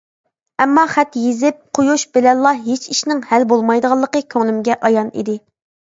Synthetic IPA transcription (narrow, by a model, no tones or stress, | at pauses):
ɛmːɑχæt̪jezɪp̚qʰojuʃb̥ɪlɛnlˠɑɦet͡ʃiʃnɪŋhælbolˠmɑjd̪əʁɑlˠːəqəkʲʰøŋlɪmɡʲɛʔɑjɑnḭd̪ɪ